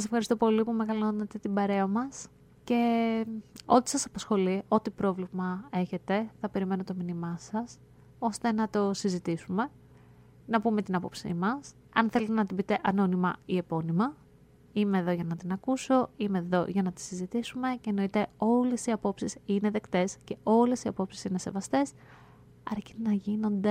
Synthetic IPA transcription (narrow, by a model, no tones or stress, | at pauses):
sɐse̞fxɐɾist̪o̞po̞lipume̞ɣɐlonɐt̪e̞t̪ibɐɾe̞ɐmɐs | ce̞ | o̞t̪i̥sɐsɐpɐsxo̞lio̞t̪ipɾo̞vlimɐe̞çe̞t̪e̞θɐpe̞ɾime̞no̞t̪o̞minimɐsɐs | o̞st̪e̞nɐt̪o̞sizit̪isume̞ | nɐpume̞t̪inɐpo̞psḭmɐs | ɐnθe̞let̪enɐt̪ibit̪e̞ʔɐno̞nimɐie̞po̞nimɐ | ime̞ːðo̞ʝɐnɐt̪inɐkuso̞ime̞ːðo̞ʝɐnɐt̪i̥sizit̪isume̞ceːno̞it̪e̞o̞le̞siɐpo̞psisine̞ðe̞kt̪e̞sce̞ʔo̞le̞siɐpo̞psi̥sine̞se̞̰vɐst̪e̞s | ɐɾci̥t̪enɐʝino̞nd̪e̞